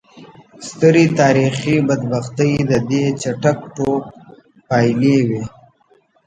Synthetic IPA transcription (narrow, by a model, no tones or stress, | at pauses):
st̪əɾit̪aːɾixibɐd̪baxt̪əjd̪əd̪et͡ʃaʈakʈok | paːjlewe